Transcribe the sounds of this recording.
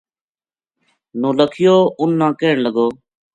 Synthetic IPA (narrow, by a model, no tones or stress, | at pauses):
nõːləkʰɪjoːʊnːãːkeːɳləɡoː